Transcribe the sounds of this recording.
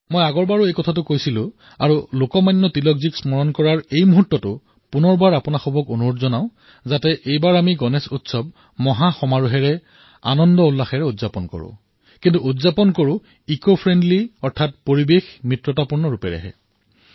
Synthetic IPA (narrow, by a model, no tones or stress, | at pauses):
mojaɡɔɹbaɹuejkɔtʰat̬ʊkojsilʊ̃ | a̰ɹulokɔmajnːɔtilɔkziksmɔɹɔnkɔɹaɹejmuɦutːɔtʊ | punɔɹbaɹapʊnaxɔbʱɔkonuɹotzɔnaʊ̃ | zatɛʔejbaɹamiɡɔnɛsutsɔb̚ | mɔɦaxɔmaɹuɦɛɹɛ | a̰nɔndɔulːaxɛɹɛudzapɔnkɔ̰ɹʊ̰̃ | kintuutzapɔnkoɹʊ̃ | ikopʰɹɛndliɔɹtʰatpoɹibexmɹitɹɔtapuɹnɔɹupɛɹɛ̰ɦɛ̰